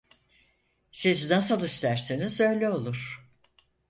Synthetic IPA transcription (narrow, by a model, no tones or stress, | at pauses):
sizd̪ansalˠɯʃt̪ʲæɾsenizø̞jlʲɛo̞lˠuɾ̥